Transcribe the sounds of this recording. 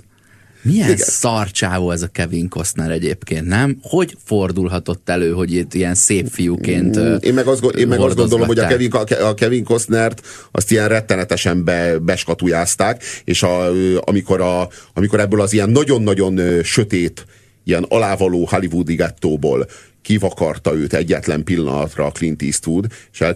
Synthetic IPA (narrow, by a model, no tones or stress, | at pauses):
mijɛinsɒrt͡ʃaːvoːɛzɒkɛviŋko̞snɛɾɛɟeːpkeːnt̪nɛmho̞ɟfo̞rd̪ulɦɒt̪o̞t̪ːɛløːɦo̞ɟit̪ːiɛnseːpfijukeːnt̪ːḛːmmɛɡɒzd̪ɡoeːmɛɡoɒzrd̪ɡod̪o̞lomhoɟɒkɛviŋɛɒkɛviŋkosnɛrt̪ | ɒ̰st̪ijɛnrɛt̪ːɛnɛt̪ɛʃɛmbɛbɛʃkɒt̪ujaːst̪aːkeːʃɒøɒ̰miko̞ɾɒɒmiko̞ɾɛbːøːlɒzijɛnːɒɟo̞nːɒɟo̞nøʃø̞t̪eːt̪ | ijɛnɒ̰laːvɒloːhalivud̪iɡɛt̪ːoːbo̰ːl | kivɒkɒrt̪ɒøːt̪ɛɟːɛt̪lɛ̰mpilːɒ̰nɒ̰t̪rɒːklint̪ḭst̪ud̪eʃɛ